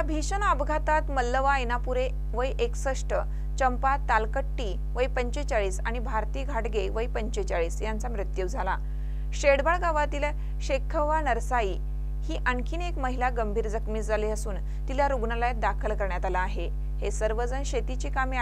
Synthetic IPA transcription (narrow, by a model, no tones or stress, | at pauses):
jabʱiɕənəbɡʱat̪at̪məlːəʋaenapuɾe | ʋəjʔeksəʂʈə | t͡ɕəmpat̪alkəʈːiː | ʋəipəɲt͡ɕet͡ɕaɭiːsaɽ̃ibʱaɾt̪iːɡʱaʈɡeʋəipəɲt͡ɕet͡ɕaɭiːsjant͡samɾɨt̪juʋd͡zʱala | ɕeɽbaɭɡaʋat̪ilə | ɕekʰːəʋanəɾsaiː | hiːʔəŋkʰiːnekməɦilaɡəmbʱiːɾd͡zəkmiːt͡sd͡zʱaleəsuːn | t̪iljaɾuɡnalajet̪̚d̪akʰəlkəɾɳjat̪alaːɦe | hesəɾʋəd͡zənɕet̪it͡ɕiːkami